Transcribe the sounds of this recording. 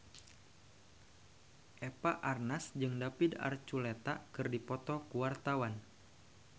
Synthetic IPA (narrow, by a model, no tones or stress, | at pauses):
ʔepaʔarnasd͡ʒɨŋdapida̰rt͡ʃulet̪akɨrdipɔt̪ɔkuwart̪awan